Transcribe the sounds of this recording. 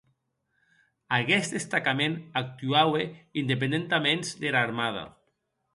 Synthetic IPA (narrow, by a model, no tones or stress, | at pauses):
aɣɛst̪d̪est̪akamenak̚t̪yaweind̪ep̬end̪ent̪amenzd̪eɾaɾmað̞a̰